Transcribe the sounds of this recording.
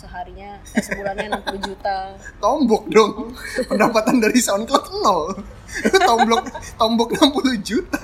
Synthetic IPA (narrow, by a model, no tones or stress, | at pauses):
səɦaɾiɲa | səbuɾaɲanampulud͡ʒut̪at̪ɔmbɔk̚dʊŋpəndapat̪andaɾisanklɔt̪nɔl | t̪ɔmblʊk̚t̪ɔmbɔk̚nampuluhd͡ʒut̪a